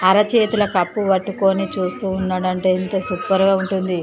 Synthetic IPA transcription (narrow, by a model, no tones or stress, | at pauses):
ɐɾɐt͡ʃeːt̪ulɐkɐpːuʋɐʈːuko̞ːnit͡ʃuːst̪uːnːaːɽɐɳʈe̞ːint̪ɐːsupːɐɾɡaːuɳʈund̪i